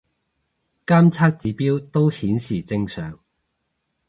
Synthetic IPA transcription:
kaː˥mt͡sʰaː˥k̚t͡siː˨˥piː˥wt̪o˥whiː˨˥nsiː˨˩t͡sɪ˥ŋsœː˨˩ŋ

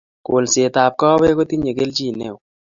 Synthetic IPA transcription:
ko˨lse˨t̪a˨p̚kɔ˦be˦ko˦t̪i˦ɲe˨ɡe˦lt͡ʃi˦˨ne˦w

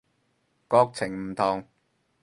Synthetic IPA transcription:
kɔː˧k̚t͡sʰɪ˨˩ŋm̩˨˩t̪ʰɔː˨˩ŋ

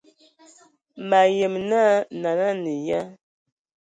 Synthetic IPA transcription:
ma˨je˨mna˦na˨na˦nə˨ja˦

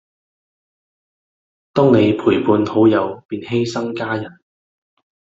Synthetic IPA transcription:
t̪ɔː˥ŋne˨˧jpʰuː˨˩jpuː˨˧nho˨˥wjɐ˨˧wpiː˨˧nhe˥jsɐ˥ŋkaː˥jɐ˨˩n

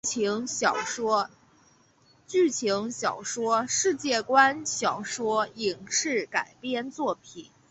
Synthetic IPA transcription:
ŋ˨˩˥ | t͡ɕy˥˩t͡ɕʰi˧˥ŋɕjɑ˨˩ʊʂwɔ˥ʂɻ̩˥˧t͡ɕjɛ˥˩kwa˥nɕjɑ˨˩ʊʂwɔ˥i˨˩ŋʂɻ̩˥˩ka˨˩ɪpjɛ˥˧nt͡swɔ˥˩pʰi˨˩˦n

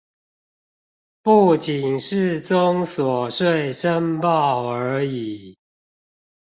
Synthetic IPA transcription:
pu˥˩t͡ɕi˨˩nʂɻ̩˥˨t͡sʊ˦ŋswɔ˨˩ʂwe˥˨ɪʂə˦ŋpɑ˥˨ʊə˧˨˧i˨˩˦

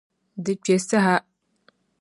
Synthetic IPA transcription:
dɨ˨k͡pɛ˨sa˦ɦa˦

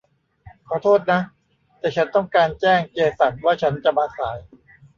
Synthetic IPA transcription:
kʰɔː˨˩˦t̪ʰoː˥˩t̪̚na˦˥ | t̪ɛː˨˩t͡ɕʰa˦˥nt̪ɔ˥˩ŋkaː˧nt͡ɕɛː˥˩ŋt͡ɕeː˧sa˨˩t̪̚waː˥˩t͡ɕʰa˦˥nt͡ɕa˨˩baː˧saː˩˦j

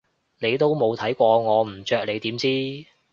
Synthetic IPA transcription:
ne˨˧jt̪̬o˥wmo˨˧wt̪ʰɐ˨˥jkʷɔː˧ŋɔː˨˧m̩˨˩t͡ʃœː˧k̚le˨˧jt̪iː˨˥mt͡siː˥

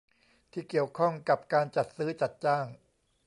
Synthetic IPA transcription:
t̪ʰiː˥˩ki˨˩əwkʰɔ˥˩ŋka˨˩p̚kaː˧nt͡ɕa˨˩t̪̚sɯː˦˥t͡ɕa˨˩t̪̚t͡ɕaː˥˩ŋ

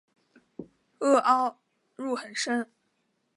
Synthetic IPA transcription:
ɤ˥˩ʔɑ˥ʊ | ɻu˥˩xə˨˩nʂə˥n

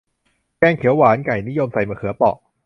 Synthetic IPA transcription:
kɛː˧nkʰi˨˩˦waː˩˦˥nka˨˩jni˦˥jo˧msa˧jmaː˧˩kʰɯ˨˩˦ɐpɔ̰˨˩k̚

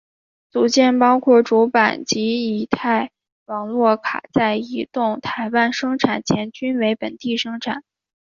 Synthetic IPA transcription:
t͡su˨˩t͡ɕjɛ˥˩npɑ˥ʊkʰwɔ˥˩ʈ͡ʂu˧˥pa˨˩nt͡ɕi˧˥i˨˩t̪ʰa˥˩ɪ | wɑ˨˩ŋlwɔ˥˩kʰa̰˨˩t͡sa˥˩ɪi˧˥t̪ʊ˥˩ŋt̪ʰa˧˥ɪpa˥˩nʂɤ˥ŋʈ͡ʂʰa˨˩nt͡ɕʰjɛ˧˥nt͡ɕy˥nwe˧˥ɪpə˨˩nt̪i˥˩ʂɤ˥ŋʈ͡ʂʰa̰˨˩˦n

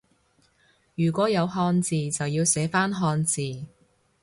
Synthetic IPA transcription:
jyː˨˩kʷɔː˨˥jɐ˨˧wɦɔː˧nt͡siː˨t͡sɐ˨wjiː˧wsɛː˨˥faː˥nɦɔː˧nt͡siː˨

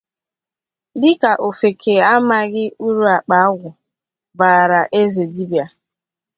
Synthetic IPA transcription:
dɪ˦ka˨ʔo˨fe˨kʰe˨a˦ma˦ɣɪ˦u˦ɾu˦a˨k͡pa˨˦a˦ɣʷʊ˨ | baː˨ɾa˨ʔe˦ze˨di˦bja˨

